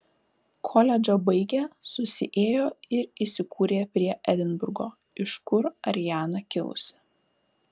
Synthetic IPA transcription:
kʰɔlʲɛd͡ʒʲobɐɪɡʲeːsʊsʲɪ̰ʔeːjoːɪɾisʲɪkʰuːɾʲeːpʲɾʲiɛʔæd̪ʲɪnbʊɾɡoː | ɪʃkʊɾɐ̰ɾʲɪjæːnɐkʲɪlˠʊ̰sʲɪ̥

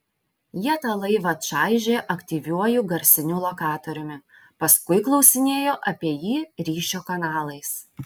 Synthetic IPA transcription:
jiɛt̪ɐlˠɐɪʋɐt̪ʃɑˑɪʒʲeːʔɐkt̪ʲiːʋʲuɔjʊɡɐɾʲsʲɪnʲʊːlˠokɑːt̪oɾʲʊmʲɪ | pɐskʊɪklˠɒʊsʲɪnʲeːjoːʔɐpʲiɛjiːɾʲiːʃʲoːkɐnɑːlˠɐɪs

